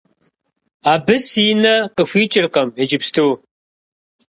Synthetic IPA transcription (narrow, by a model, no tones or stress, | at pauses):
aːbɨsinɐqəxʷiːt͡ʃʼɪrqɐmed͡ʒɪpstʰuː